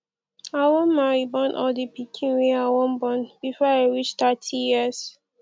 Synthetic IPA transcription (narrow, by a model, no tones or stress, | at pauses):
awɔ̃nmaɹibɔ̃nʔɔ̰dipikʰĩnweawɔ̃nbɔ̃nb̥ifɔaɹit͡ʃt̪atʰijiz̥